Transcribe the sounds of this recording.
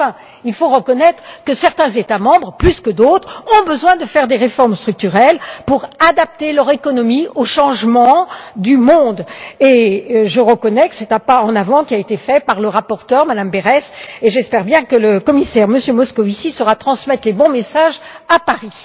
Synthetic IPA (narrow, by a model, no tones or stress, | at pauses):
fɛ̃ | ilfoʁəkɔnɛt̪χəkəsɛʁt̪ɛ̃zet̪amɑ̃bʁplyskəd̪ot̪χɔ̃bəzwɛ̃d̪əfɛʁd̪eʁefɔʁmst̪χyk̚t̪yʁɛlpuʁad̪ap̚t̪elœʁekɔnɔmioʃɑ̃ʒmɑ̃d̪ymɔ̃d̪eʒəʁəkɔnɛkə̥sɛt̪apaɑ̃navɑ̃kʲiaet̪efɛpaʁləʁapɔʁt̪œʁmad̪ambeʁɛseʒɛspɛʁbjɛ̃kələkɔmisɛʁməsjømɔskɔvisisəʁat̪χɑ̃smɛt̪lebɔ̃mesaʒ | apaʁi